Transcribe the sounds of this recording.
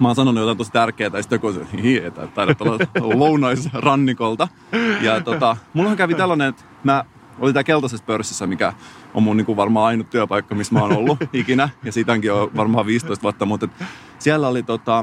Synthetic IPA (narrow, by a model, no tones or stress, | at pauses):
mɑːnsɑnonujot̪ɑinosi̥t̪ærkeːt̪æjsi̥t̪ːekosḛhihiḛit̪æ̰tt̪ːɑiɾɑt̪ːolːɑlounɑisrɑnːikolt̪ɑ | jɑt̪ot̪ɑmulːhɑŋkæʋit̪elːɑnenet̪ | mæ | olint̪æːkelt̪ɑsespørsːisːæmikæ̰o̰munniːŋkuʋʋɑrmɑːɑinut̪t̪yæpɑikːɑmismæoːnolːuikinæjɑsit̪hæŋkioʋɑrmɑːʋiːst̪oist̪ʋuɑt̪ːɑmut̪et̪ | siælːæolit̪ot̪ɑ